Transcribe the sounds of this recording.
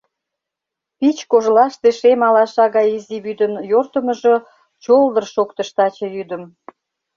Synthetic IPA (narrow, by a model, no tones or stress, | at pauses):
pit͡ɕkoʒlɑʃt̪eʃemɑlɑʃɑɣɑjiziβyd̪əmjort̪əmə̆ʒɤ | t͡ɕold̪ərʃokt̪əʃt̪ɑt͡ɕɤ̆jyd̪əm